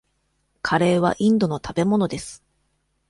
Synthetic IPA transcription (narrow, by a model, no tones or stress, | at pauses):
kʰaɾe̞ːβ̞a̰ʔĩnd̪o̞no̞t̪ʰabe̞mo̞no̞d̪e̞sɨ̥